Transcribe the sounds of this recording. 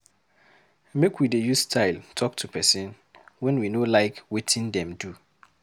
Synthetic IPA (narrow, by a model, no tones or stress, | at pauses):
mekwidejustʰaɪltʰɔk̚tʰupʰɛsɛ̃n | wɛ̃nwinolaɪkwetʰĩndɛ̃mdu